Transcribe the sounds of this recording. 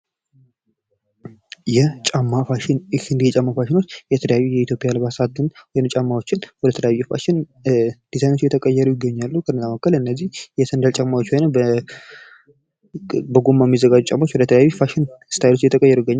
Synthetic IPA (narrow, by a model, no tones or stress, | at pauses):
jɛt͡ʃʼamːafanhɨnd̪ihjɛt͡ʃʼamːafaʃɪno̞t͡ʃːjɛt̪ʰələjajːujɛit̪ʰjo̞pʼijalβasat̪ɨnwɔjnmt͡ʃʼamːawo̞t͡ʃːɪnwɔd̪ət̪ʰələjawfa̰ʃɪnd̪̥izajno̞t͡ʃːjɛt̪ʰəkʼəjːɛɾujɪɡːəɲːalːuukʰənːəzaməkːəlɨnːəzːihjɛsənd̪əlt͡ʃʼamːawot͡ʃːwajnəb | bəɡomːajmːizːəɡad͡ʒːut͡ʃʼamaot͡ʃːwɔd̪ət̪ʰələjawifaʃɪnst̪ʰajlo̞t͡ʃːjɛt̪ʰəkʼəjːɛɾujɪɡːəɲːa